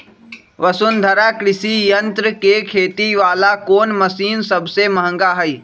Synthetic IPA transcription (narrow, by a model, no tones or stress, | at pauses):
ʋɐsʊnd̪ʱɐɾakɾɪsijənt̪ɾəkekʰeːt̪iʋaːlakoːnmɐsiːnsɐbsemɐɦə̃ŋɡaɦɐi